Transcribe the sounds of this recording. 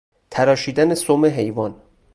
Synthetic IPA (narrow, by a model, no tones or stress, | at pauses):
t̪ʰæɾɒːʃiːd̪ænesomeɦe̞jvɒn